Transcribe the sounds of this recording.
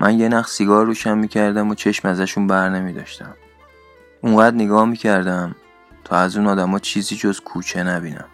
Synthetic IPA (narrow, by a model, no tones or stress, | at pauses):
mʔænjenæxsiɡɒːɾɾuːʃænmiːcʰæɾd̪æmot͡ʃʰe̞ʃmæzæʃunbæɾne̞miːd̪ɒ̰ːʃt̪æ̰m | ʔuŋɢæːd̪neɡɒːhmiːcʰæɾd̪æm | t̪ʰɒːæzuːnɒːd̪æmɒːt͡ʃʰiːziːd͡ʒozkʰuːt͡ʃʰe̞næbinæ̰m